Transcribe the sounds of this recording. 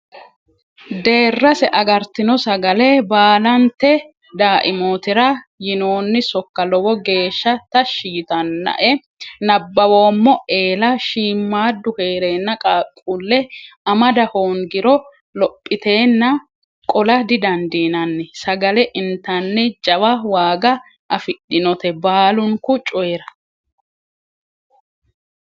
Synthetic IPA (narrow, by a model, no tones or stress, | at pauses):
d̪e̞ːrːɐsɛʔɐɡɐɾt̪ɪnɔsɐɡɐlɛbaːlɐnt̪ːɛ | d̪aːʔɪmo̞ːt̪ɪɾɐjɪno̞ːnːɪsɔkːɐlɔwɔɡe̞ːʃːɐt̪ɐʃiːt̪ɐnːɐ̰ʔɛ | nɐbːɐwo̞ːmːɔe̞ːlɐʃiːmːaːd̪ːʊhe̞ːɾe̞ːnːɐkʼːkʼulːɛɐmɐd̪ɐhoːŋɡɪɾɔ | lɔpʼːɪt̪e̞ːnːɐ | kʼɔlɐd̪ɪd̪ɐnd̪iːnɐnːɛsɐɡɐlɛʔɪnt̪ɐnːɛt͡ʃʼɐwɐwaːɡɐ | ʔɐfɪɗɪnɔt̪ɛbaːlʊŋkʊt͡ʃʼɔɛɾɐ